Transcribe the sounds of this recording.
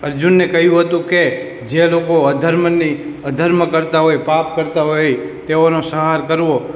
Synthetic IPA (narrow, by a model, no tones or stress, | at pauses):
əɾd͡ʒunːekəɦjũɦət̪ũke | d͡ʒelokoəd̪ʱəɾməniəd̪ʱəɾməkəɾt̪aɦojpap̚kəɾt̪aɦojet̪eonosəɦaɾkəɾʋo